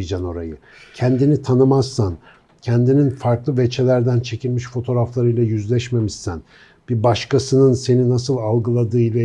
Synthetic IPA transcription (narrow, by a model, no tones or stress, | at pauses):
id͡ʒano̞ɾajɯcʰɛnd̪init̪ʰanɯmazːan | cʰɛænd̪ininfaɾklˠɯvet͡ʃʰelʲæɾd̪ænt͡ʃʰe̞cilʲmiʃfo̞t̪ʰo̞ɾaflˠaɾɯjlˠajyzlʲɛʃme̞missæn | b̥ibaʃkʰasɯnɯnse̞ninasɯlˠalˠɡɯlˠad̪ɯːjlʲˠa